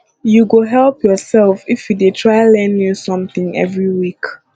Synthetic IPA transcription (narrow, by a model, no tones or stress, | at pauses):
juɡoɦɛlpʰjɔsɛlfifjuditʰɹaɪlɛ̃njusɔ̃mθĩŋɛ̰vɹiwik